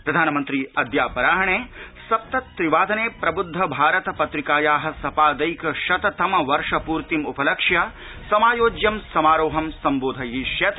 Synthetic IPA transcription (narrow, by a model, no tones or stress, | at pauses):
pɾɐd̪ʱaːnɐmɐnt̪ɾiɐd̪jaːpɐɾaːɦɐɳeːsɐp̚t̪ɐt̪ːɾiʋaːd̪ʱɐneːpɾɐbud̪ʱːɐbʱaːɾɐt̪ɐpɐt̪ɾikaːjaːɦɐ̆sɐpaːd̪ɐjkɐʃɐt̪ɐt̪ɐmɐʋɐɾʂɐpuːɾt̪imupɐlɐkʂjɐ | sɐmaːjoːd͡ʒjɐmsɐmaːɾoːɦɐmsɐmboːd̪ʱɐjiʃjɐt̪